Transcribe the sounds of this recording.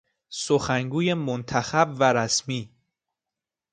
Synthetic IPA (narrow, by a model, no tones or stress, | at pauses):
soxæŋɡuːje̞mont̪ʰæxæbvæɾæsmiː